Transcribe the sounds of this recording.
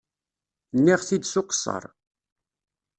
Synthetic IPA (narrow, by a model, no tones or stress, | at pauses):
nːiʁθid̪sʊqə̥sˤːɑ̰ɾˤ